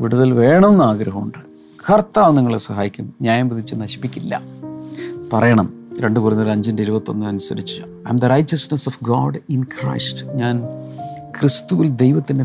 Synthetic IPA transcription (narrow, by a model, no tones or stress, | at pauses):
ʋiɽuðɐlʋe̞ːɳɐmnːaːɡɾɐɦɐmuɳɖɨ | kʰɐrt̪ːaːʋniŋːɐɭesɐɦaːjikʲːumɲaːjɐmpiðit͡ɕːɨnɐɕi̥pːikʲːilːɐ̰ | pɐrɐjɐɳɐmɾe̞ɳɖɨkurɐnːɐlɐɲd͡ʑɐndeiɾubɐt̪ːo̞nːɨɐnusɐɾit͡ɕːɨ | ɐ̰jmd̪ɐrɐjt͡ɕɐsnesofɡɔːɖinkrɐ̰jstɲaːn | krist̪uʋild̪e̞jʋɐt̪ːinde